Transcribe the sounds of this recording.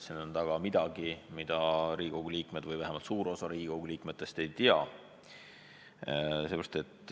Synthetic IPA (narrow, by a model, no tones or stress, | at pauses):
senont̪ɑɡ̥ɑmid̪̥ɑɡ̥imid̪̥ɑɾiːko̞wɡ̥uliːkme̞d̪̥vɯjvæɦemɑlt̪suːɾo̞sɑɾiːɡo̞wɡ̥uliːkme̞t̪ːˑe̞st̪e̞jt̪iɑ | seːbɾɑ̥st̪e̞t̪ː